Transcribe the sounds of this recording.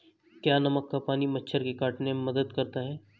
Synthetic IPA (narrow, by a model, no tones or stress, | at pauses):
kjaːnɐməkːapaːnimɐtːʃʰəɾkekaːʈnememɐd̪əd̪kɐɾt̪aɦɛː